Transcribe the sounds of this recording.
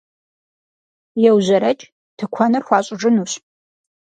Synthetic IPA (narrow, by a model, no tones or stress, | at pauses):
jɛwzɐɾɐt͡ʃʼ | tʰɨkʷʰɐnɨrxʷɑːɕʼɪʐʼɨnuːɕ